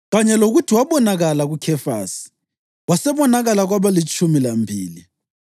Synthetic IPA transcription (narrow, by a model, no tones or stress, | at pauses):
ɣaɲɛloɣutʰiwaβɔnaɣalaɣukʰɛfa̰ːsi̥ | wasɛβɔnaɣalaɣwaβalit͡ʃʼumilambʱiːli